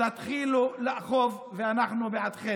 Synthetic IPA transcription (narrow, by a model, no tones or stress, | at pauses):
at̪χiluleʔaχov | veanaχnubeʕad̪χe